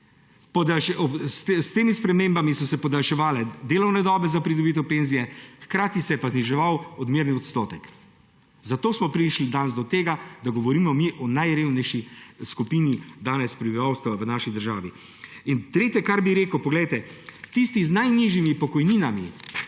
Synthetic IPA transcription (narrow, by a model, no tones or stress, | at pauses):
pɔd̪alʃɛɔsst̪eːmispɾɛmeːmbamisɔsɛpɔd̪alʃɛʋaːlɛd̪eːlɔwnɛd̪ɔːbɛzapɾid̪ɔbit̪̬ɛwpenzijɛxkɾaːt̪isɛjɛpazniʒɛʋawɔd̪miɾniɔt̪st̪oːt̪ɛk | zat̪oːsmɔpɾiʃlid̪anzd̪ɔt̪eːɡad̪aɡɔʋɔɾiːmɔmiʔɔnajɾeːwnɛjʃiskupiːnid̪aːnɛspɾibiʋawst̪ʋaʋənaːʃid̪əɾʒaːʋi | int̪ɾeːt̪jɛkaɾbiɾeːkəwpɔɡlɛjt̪ɛt̪ist̪iznajniʒjimipɔkɔjniːnamḭ